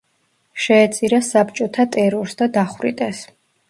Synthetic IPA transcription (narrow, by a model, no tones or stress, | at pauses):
ʃɛːt̪sʼiɾasapt͡ʃʼɔt̪ʰat̪ʼɛɾɔɾsd̪ad̪aχvɾḭt̪ʼɛs